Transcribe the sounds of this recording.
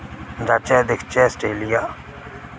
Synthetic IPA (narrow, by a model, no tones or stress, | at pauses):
d͡ʒaːt͡ʃɛːd̪ɪkʰt͡ʃɛsʈeːlijaː